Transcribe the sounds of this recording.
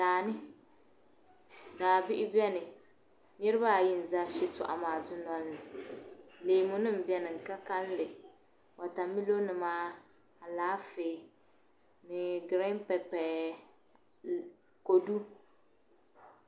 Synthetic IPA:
laː˨nɨ˦ | daː˨bɪ˦ʔɪ˦bɛ˦nɨ˨ | nɛ˦ɾɨ˦ba˦˨ji˦n̩˨za˦ʃɪ˦tʊ˨ʔa̰˨maː˨dʊ˦nɔ˦lːɨ˨ | leː˨mʊ˦nɨ˦m̩˨bɛ˦nɨ˨ŋ̩˨ka˦ka˦llɨ˨ | wa˨ta˨mi˦lo˦nɨ˨maː˦ | a˨laː˦feː˨ | nɨ˨ɡɨ˨ɾɛ˦m˦pɛ˨pɛ˨ | ko˨du˦

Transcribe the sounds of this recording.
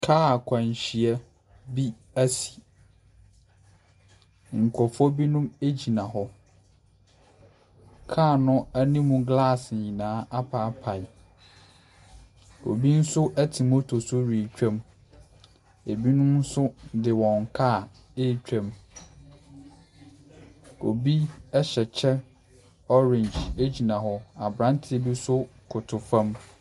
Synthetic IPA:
kʰaː˦˨kʷʰã˨ɲ˨ɕi˨ɛ˦ | bi˦ | æ˦si̥˨ | ŋ̩˨kʷʰɔ˨fɔ˦bi˦nʊ̃˦me˦d͡ʑi˨nã˨ɦɔ˦ | kʰaː˦˨nʊ̃˦æ˦nĩ˦mũ˦ɡla˦˨sɲĩ˨nãː˨˦ʔa˦pʰa˨˦pʰa˨ɪ˨ | o̰˨bi˦n̩˦sʊ˦ʔæ˦tʰi˨mo˦tʰo˨sʊ˦ɾi˨t͡ɕᶣã˦m | e˨bi˦nʊ̃˦n̩˦sʊ˦dɪ˨wɔ̃˨ŋ˨kʰa˦˨ | eː˦˨t͡ɕᶣã˦m | o̰˨bi˦ɛ˦ɕɛ˨t͡ɕʰɛ˦ | ɔ˦ɾɪ̃˨nd͡ʒe˦d͡ʑi˨nã˨hɔ˨a˨bɾã˦ntʰɪ˦e˨˦bi˦sʊ˦kʰʊ˨tʰʊ˨fã˦m

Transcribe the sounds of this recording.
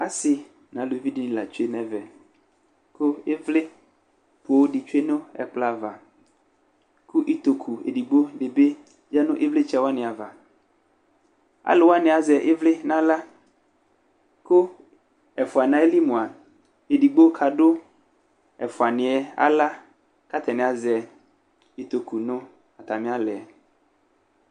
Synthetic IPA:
a˦sɪ˨ | nã˨lo˨˦vi˦di˦ñ˨la̰˨t͡ʃu˦e˦nɛ̃˨vɛ˨ | kʊ˦e˦vlɪ˦ | po˨˦wɖi˨t͡ʃu˦e˦nʊ̃˦ɛ̰˨k͡pla˦˨va˨ | kʊ˦ʔi˦t̪o˨kʰu˨ḛ˨di˨ɡ͡bo˦ɖe˨be˦ | d͡ʒa˦nʊ̃˦ʔe˦vle˦t͡ʃɛ˦wa˦nɪ̃˨a˨va˨ | a̰˦lɪ˨wa˦nɪ̃˨a˨zɛ˨ʔɪ˦vlɪ˦nã˦la˦ | kʊ˦ | ɛ˨fʊ˨a˨nã˨˦e˦li˦mũ˨a˨ | e˨di˨ɡ͡bo˦kʰa˨ɖʊ˦ | ɛ̰˨fʊ˨a˨nɪ̃˨ɛ˨a̰˦la˦ | ka˦t̪ʰɛ˨nɪ̃˨a˨zɛ˨ | i˨t̪o˨ku˨nʊ̃˦ | a˨t̪a˨mɪ̃˦a˦lɛ˨ɛ˨

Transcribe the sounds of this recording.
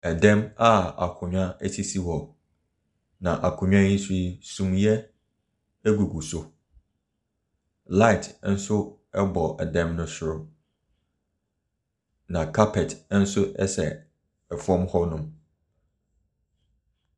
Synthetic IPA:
ɛ˨dɛ̃˦ma˦a̰˨kʰʊ˨ɲᶣã˦ɛ˦tʰi˦si˦wɔ˨ | nã˨ʔa˨kʰʊ̃˨ɲᶣ˦ã˦ɲĩ˦si˦sũ˨mjɛ˦ | æ˦ɡu˨ɡu˨so˨ | la˦ɪ˨tʰn̩˦sʊ˦ | ɛ˦bɔ˨ʔɛ˨dɛ̃˦mnʊ̃˦sʊ˦ɾʊ˦ | nã˨kʰa˦pʰɛ˨tn̩˦sʊ˦ʔɛ̰˦sɛ˨ | ɛ˨fɔ̃˦mhɔ˦nʊ̃˦m

